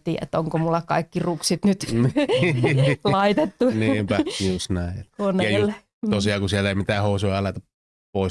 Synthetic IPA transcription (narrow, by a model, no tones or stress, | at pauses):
t̪ḭːæ̰t̪ːoŋkomulːɑkɑikːiruksit̪nyt̪ | lɑit̪et̪ːuniːmpæjusnæˑiet̪koneejlːe | t̪osiɑːkusielːeˑimit̪æːhoˑusujɑɑlet̪ɑp | poˑis